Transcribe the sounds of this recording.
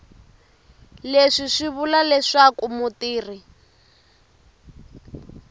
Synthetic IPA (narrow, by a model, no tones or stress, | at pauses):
leʂiʂiβulalɛʂakumutiːri